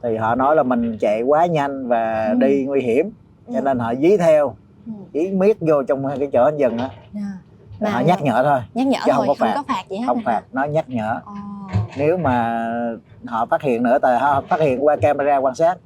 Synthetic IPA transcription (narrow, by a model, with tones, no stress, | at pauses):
t̪ʰi˨˩ɦɔ̰˧˨nɔ˨˦jlaː˨˩mï˨˩ŋ̟t͡ɕḛ˧˨kwaː˨˦ɲa˧jŋ̟vaː˨˩ɗi˧ŋwi˧ɦi˧˩˨əm | t͡ɕɔ˧ne˧nɦɔ̰˧˨zi˨˦t̪ʰɛ˧w | ʔi˨˦mi˦˥ət̚zo˧t͡ɕɔ˧wŋ͡mkaː˨˦jt͡ɕəː˧˩ʔa˨˦nzə˨˩ŋʔaː˨˦ | a˨˩ɦɔ̰˧˨ɲa˦˥k̚ɲə̰ː˧˨t̪ʰo˧jhə˧wŋ͡mkɔ˨˦faː˨˩k̚hə˧wŋ͡mfaː˨˩t̚nɔ˨˦ɲa˦˥k̚ɲə̰ː˧˨ | ne˨˦wmaː˨˩ | hɔ̰˧˨faː˦˥t̚hḭ˧˨ənːɨ˧˥ət̪a̰ː˧˨ɦɔ̰˧˨˩faː˦˥hḭ˧˨ənkwaː˧kaː˧ma˧zaː˧kwaː˧nsaː˦˥t̚